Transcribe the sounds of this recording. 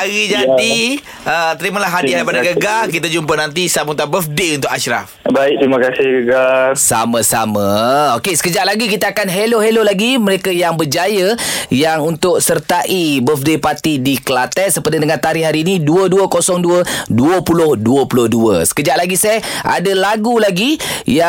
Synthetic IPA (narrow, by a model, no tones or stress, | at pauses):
aɣid͡ʒad̪i | ət̪əɾimalaɦadiaipadaɡəɡak̬it̪ad͡ʒumpənant̪isamut̪abəfdeunt̪ʊkaʃɾa̰fbaɪk̚t̪ɾimãkasɪhɡəɡasa̰masamãokesə̥kəd͡ʒaʔlaɡikit̪aːkanɦeloɦelolaɡiməɾekajaŋbərd͡ʒajəjaŋunt̪ʊk̚sərt̪aʔibəfdepat̪idikəlat̪ɛʔ̪̚səpədadəŋant̪aɾihɦaɾiːniduəduəkosɔŋduəduəpulʊhduəpulʊhduə̰sə̥kəd͡ʒaʔlaɡisɛa̰dəlaɡulaɡija